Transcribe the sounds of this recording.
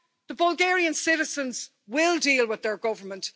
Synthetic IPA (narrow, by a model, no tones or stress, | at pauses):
ðəbʌlˠɡɛːɹiə̃nsɪɾɪz̥ə̃nz̥ | wɪlˠdiːlˠwɪðə˞ɡʊvə˞mə̃nt